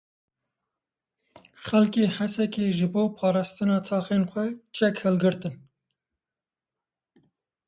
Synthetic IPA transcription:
xɛlkeːhasɛkeːʒɨboːpʰɑːɾɑːst̪ɨnɑːt̪ʰɑːxeːnxʷɛt͡ʃʰɛkhɛlɡɨɾt̪ɨn

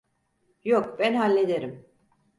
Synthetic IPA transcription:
jokbænɦalʲːe̞d̪eɾim

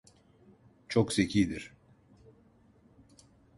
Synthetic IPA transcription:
t͡ʃʰoksecʰijd̪iɾ̥

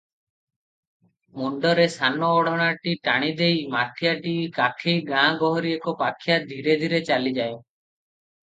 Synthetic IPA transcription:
muɳɖɔɾesanɔːɽɔɽ̃aʈiʈaɽ̃id̪ejmat̪ʰjaʈikakʰejɡãɡɔɦɔɾiekɔpakʰːjad̪ʱiɾed̪ʱiɾet͡ʃalid͡ʒajo

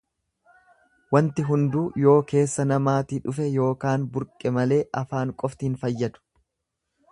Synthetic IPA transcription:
wɐnt̪ɪɦʊnd̪uːjo̞ːke̞ːsːɐnɐmaːt̪iːᶑʊfɛjo̞ːkaːnbʊɾkʼɛmɐle̞ːʔɐfaːŋkʼɔft̪ɪhnfɐjːɐd̪ʊ̥

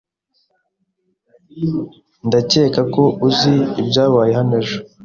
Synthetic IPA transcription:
ndace̞ːkako̞uziːbɟaːβaːjeɦhaneʒo̥

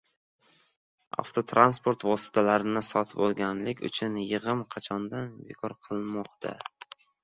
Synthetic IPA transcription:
a̰ft̪ʰot̪ʰɾanspo̞ɾt̪vɒsɪ̥t̪ʰalaɾɪnɪsɒt̪ʰɪpɒlˠɡʲanlɪkʲʊ̰t͡ʃʰʊnjɨʁɨmqʰɑt͡ʃʰɒnd̪anbḛkʰɒɾqʰɨlˠmɒqt̪ʰa̰

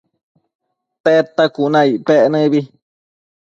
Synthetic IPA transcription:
teʔet̪akunãipeenɨ̃βi

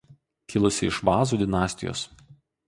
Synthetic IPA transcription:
kʲɪlˠʊsʲɪɪʃʋɑːzuːd̪ʲɪnɑːsʲt̪ʲɪjo̰ːs

